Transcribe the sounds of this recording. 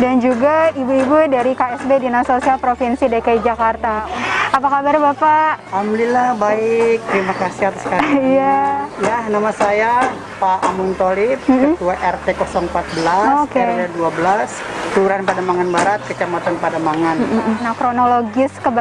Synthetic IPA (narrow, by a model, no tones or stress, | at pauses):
dand͡ʒuɡaibuibudaɾikaɛsbedinasosialpɾofinsidaikaid͡ʒakart̪aapakabarbapaamlilahbaɪk̚t̪əɾimakasihat̪asə̥kaijajahnamasaja | paʔamunt̪olip̚ət̪uaʔɛrt̪ekɔsɔŋpat̪̚bəlaokeɛaduabəlas | t̪uɾanpadamaŋanbaɾat̪̚kət͡ʃamat̪anpadamaŋannakɾonoloɡɪskəb